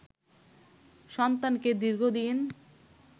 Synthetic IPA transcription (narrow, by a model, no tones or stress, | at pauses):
ʃɔnt̪anked̪iɾɡʱod̪in